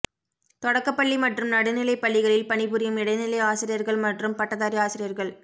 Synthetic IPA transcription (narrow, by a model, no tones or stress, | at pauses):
t̪ɔɽɐkːɐpːɐɭːimɐʈrɯmnɐɽɯnɪlɐɪpːɐɭːɪɣɐɭɪlpɐɳɪbɯɾɪjɐmɪɽɐɪnɪlɐɪaːsɪɾɪjɐɾɣɐɭmɐʈrɯmpɐʈːɐðaːɾiaːsɪɾɪjɐɾɣɐɭ